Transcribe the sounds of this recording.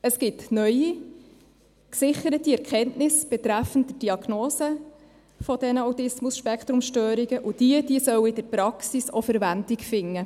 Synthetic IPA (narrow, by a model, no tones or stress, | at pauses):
əskɪtnœji | ksɪχəɾətiɛɾkʰɛntnɪsb̥ɛt̪ɾæfəntdəd̥iɑɡ̥noːsə | fɔd̥ɛnəawtɪsmʊsʃpɛkχt̪ɾʊmʃtøːɾiɡəʔʊd̥iəd̥iəsœwɪd̥əɾpɾɑksisofəɾʋændikfɪŋːə